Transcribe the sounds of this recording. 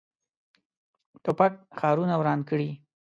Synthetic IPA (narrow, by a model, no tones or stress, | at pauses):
t̪ʊpaʈ̚xɑɾunawɾɑnkəɽi